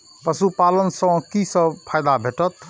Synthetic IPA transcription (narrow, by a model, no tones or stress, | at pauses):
pəsupalənsə̃kisə̃pʰajd̪abʱeʈət̪̚